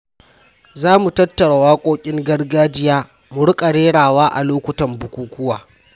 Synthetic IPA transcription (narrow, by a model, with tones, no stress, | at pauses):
zaː˦mu˨tɐ˦tːɐ˨ɽa˨waː˦kʷʼoː˦kʲʼɪ˦ŋɡɐ˦ɽɡaː˦d͡ʒɪ˦jaː˦ | mʊ˨ɽʊ˦kʼɐ˨ɽeː˦ɽaː˨waː˦ʔa̰˨loː˦kʷʊ˨tɐ˨mbʊ˨kʷuː˦kʷʊ˦wa̰ː˨